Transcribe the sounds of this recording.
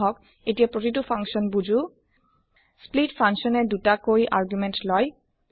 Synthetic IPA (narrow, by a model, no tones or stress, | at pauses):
ɦɔk | etijapɹotit̬upʰaŋkʃɔnbud͡ʑu | splitfʰaŋkʃɔnɛdutakoiʔa̰ɹɡjumɛntlɔj